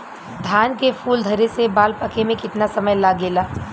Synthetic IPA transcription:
d̪ʱaːnkefʰuːld̪ʱɐɾesebaːlpɐkemẽkɪt̪nasɐməjlaːɡeːlaː

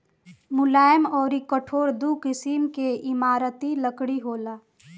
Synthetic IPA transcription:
mʊlaːjmɔːɾikəʈʰoːɾd̪ukɪsimkeʔɪmaːɾət̪iləkɽiɦoːlaː

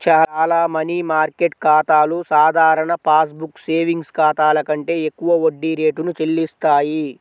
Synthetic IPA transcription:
t͡ʃaːlaːmɐnimaːɾkeʈ̚kaːt̪aːlusaːd̪ʱaːɾɐɳɐpaːsbukseːʋiŋɡskaːt̪aːlɐkɐɳʈe̞ːekːuʋɐoɖːiɾe̞ːʈunut͡ʃelːist̪aːji

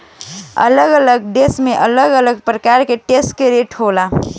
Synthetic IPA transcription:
ə̰ləɡələɡɖesmeʔələɡələɡpɾəkaɾkeʈesʈ̚keɾeʈɦola

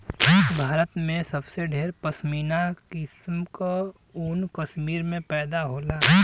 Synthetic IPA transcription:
bʱaːɾət̪mẽsɐbseɖʱeːɾpɐsmiːnakɪsmka | unkɐʃmiːɾmẽpɛːd̪aɦoːlaː

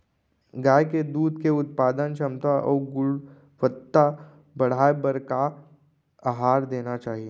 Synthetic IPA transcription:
ɡaːjked̪uːd̪keʊt̪̚paːd̪ənt͡ʃʰɐmt̪aʔɔ̰ːɡʊɽ | ʋət̪ːa | bɐɽ̤aːebəɾka | aɦaːɾd̪eːnat͡ʃaːɦie

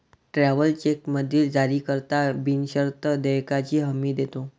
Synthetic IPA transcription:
ʈɾaʋəlt͡ɕekməd̪ʱiːld͡zaɾiːkəɾt̪abinɕəɾt̪əd̪əjkat͡ɕiːɦəmiːd̪et̪o

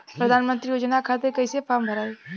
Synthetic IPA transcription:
pɾəd̪ʱaːnmə̃nt̪ɾijoːd͡ʒənakʰat̪ekɐisepʰaːmbʱəɾaːe

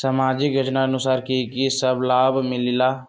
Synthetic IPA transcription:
səmaːd͡ʒɪkɡʱəʈnaənʊsaːɾkikisəblaːbmɪlɪlaː

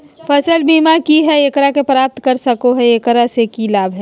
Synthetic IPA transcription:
fəsəlbiːmakiɦɛekəɾakepɾaːp̚t̪kɐɾsɐkoɦɛekəɾasekilaːbʱɦɛː

